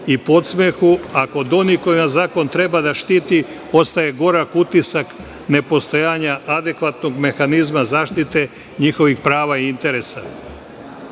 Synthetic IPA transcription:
ipo̞t̪smexuako̞d̪o̞niko̞jimazaːko̞nt̪ɾe̞bad̪aʃt̪iːt̪i | o̞st̪aje̞ɡo̞ɾakut̪isak | ne̞po̞st̪o̞jaːɲaʔad̪e̞kʋat̪no̞ɡme̞xanizmazaːʃt̪it̪e̞ | ɲixo̞ʋixpɾaːʋaiint̪e̞ɾe̞sa

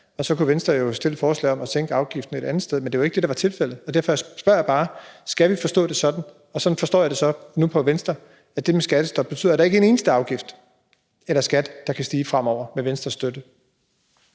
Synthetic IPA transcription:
ɒ̽sɒ̽kuʋensd̥ɐjo̝sd̥e̝l̰d̥fɒːslɛ̰ɪɒ̽mæt͡sʰeŋ̰ɡ̥əɑ̈ʊɡ̥ifd̥n̩e̝ɾ̥ænð̩ˠsd̥eðˠmend̥e̝ʋɑ̈e̝ɡ̥əd̥e̝ɾɑʋɑ̈t͡sʰe̝lfel̰ð̩ˠɒ̽d̥æɐfɒjasb̥ɶɐ̰jɑ̈b̥ɑ̈ːsɡ̥æʋifɒ̽sd̥ɔ̰̽ːd̥e̝sɒ̽d̥n̩ | ɒ̽sɒ̽nfɒ̽sd̥ɔ̰ːjɑd̥e̝sɒ̽nupʰɒ̽ʋensd̥ɐ | æd̥e̝mesɡ̥æd̥əsd̥ɒ̽b̥̚ːe̝t͡sʰy̰ð̰ˠɐɾ̥ɑ̈e̝ɡ̥əe̝ne̝ːnəsd̥əɑ̈ʊɡ̥ifd̥ | elɐsɡ̥æd̥ːɑkʰæsd̥iːfʁam̰ɒʊ̰ɐmeʋensd̥ɐsd̥ød̥ə

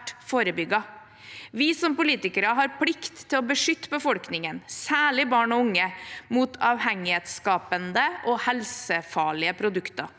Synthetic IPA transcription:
ʈfoːɾəbʏɡɑ | ʋɪsɔmpʊliːt̪ɪkəɾɑɦɑɾpʰlɪkt̪ʰːɪlɔbəʂʏt̪ːəbəfɔlknɪŋənsæːɭɪbɑːɳɔʊŋːəmut̪ʰɑːʋhɛŋɪheːt̪skɑːpənd̪əʔɔhɛlsəfɑːɭɪəpʰɾʊd̪ʉkt̪ɑ̰

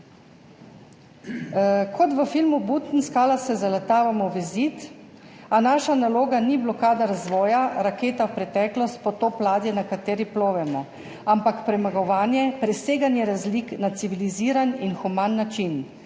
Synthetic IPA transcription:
kʰɔt̪ʋəfilmubut̪n̩skaːlasɛzalat̪aːʋamɔʋɛzit̪ | anaːʃanaloːɡaniblɔkaːd̪aɾazʋɔːjaɾakeːt̪awpɾɛt̪ɛːklɔst̪̚pɔt̪oːplaːd̪jɛnakat̪eːɾiploːʋɛmɔ | ampakpɾɛmaɡɔʋaːnjɛpɾɛseːɡanjɛɾazliknat̪siʋiliziːɾaninxumanːat͡ʃin

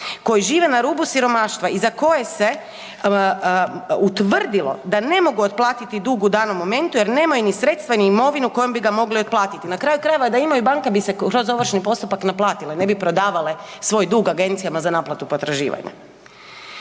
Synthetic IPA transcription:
ko̞jiʒiːʋenaɾuːbusiɾo̞maːʃt̪ʋaizako̞je̞se̞ | ut̪ʋər̩d̪ilˠo̞̰d̪ane̞mo̞ɡuot̪̚plˠaːt̪it̪id̪uːɡud̪aːno̞mːo̞me̞nt̪ujeɾne̞ːmajunisɾet̪st̪ʋeniimo̞ʋinuko̞jombiɡamo̞ɡlio̞t̪̚plˠaːt̪it̪inakɾaːjukɾajeʋad̪aimajubaŋkebiseɾo̞zo̞ʋr̩ʃnipo̞st̪upaknaplˠaːt̪ilene̞bipɾo̞d̪aːʋale̞sʋo̞ːjd̪uɡaɡe̞nt̪sijamazanaːplat̪upo̞t̪ɾaʒḭːʋa̰ɲa̰

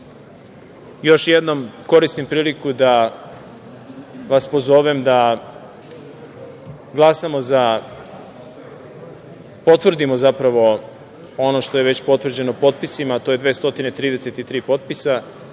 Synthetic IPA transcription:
jo̞ʃjed̪no̞mko̞ɾist̪impɾiːlikud̪a | ʋaspozoʋemd̪a | ɡlˠasamo̞za | po̞t̪ʋr̩d̪imo̞zapɾaʋo̞ | o̞no̞ʃt̪o̞je̞ʋe̞t͡ɕpo̞t̪ʋr̩d͡ʑe̞nopo̞t̪̚pisimat̪oje̞d̪ʋe̞ːst̪o̞t̪inet̪ɾiːd̪e̞se̞t̪it̪ɾiːpo̞t̪̚pisa

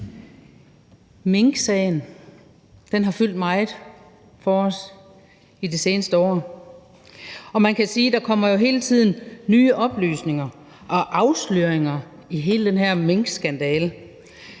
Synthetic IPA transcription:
me̝ŋɡ̥sɛːn̩ | d̥enɦɑ̈fyl̰d̥mɑ̈ɪð̩ˠ | fɒ̽ɒs | idise̝ːnəsd̥əɒ̰ː | ɒ̽mænkʰæsiːd̥ɑ̈kʰɒ̽m̰ɐjo̝ɦe̝ːlət͡sʰið̞̰ˠn̩nyːəʔɒ̽b̥lyːsne̝ŋɐ | ʔɒ̽ʔɑ̈ʊslyɐ̰eŋɐ | iɦe̝ːləd̥enɦæɐ̰me̝ŋɡ̥sɡ̥ænd̥ɛːlə

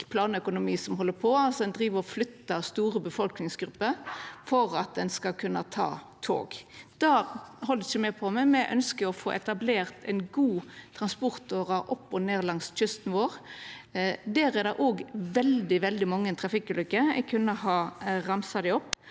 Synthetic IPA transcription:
pʰlɑːnəœkʊnʊmiːsɔmɦɔlːəpʰɔɑlsɔd̪ɛnd̪ɾiːʋəʁɔflʏt̪ːɑst̪uːɾəbəfɔlknɪŋsɡɾʉpːəfɔɾɑt̪̚d̪ɛnskɑkʰʉnːət̪ʰɑ̰ː | t̪ʰo̰ːɡd̪̥ɑːɦɔld̪ɛçəmɛpʰɔmɛmɛʔœ̰nskəɾɔfo̰ːʔɛt̪ɑbleːɾt̪ɛɪnɡuːt̪ʰʁɑnspɔɾt̪oːʁɑʔɔpːɔneːʁlɑŋsc͡çʏst̪n̩ʋoːɾ | d̪æɾɛd̪ɛʔoːɡʋɛld̪ɪʋɛld̪ɪmɑŋːənt̪ʰɾɑfɪkːʉːlʏkːəɛ̰ɡkʰʉnːəɦɑːʁɑmsɑd̪ɛɔpː

